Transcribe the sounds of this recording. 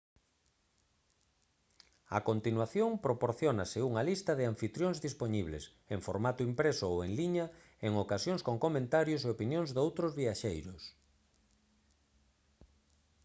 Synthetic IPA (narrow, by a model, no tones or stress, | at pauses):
ɐ̰kont̪inwaθjoŋpɾopoɾθjonaseuŋalist̪ɐðɪaɱfit̪ɾjoŋzðispoɲiβlḛs | eŋfo̰ɾmat̪ʊimpɾesʊoweŋliɲɐ | eŋokasjoŋskoŋkomẽnt̪aɾjos̬eopinjõŋzðowt̪ɾozβiaʃejɾʊs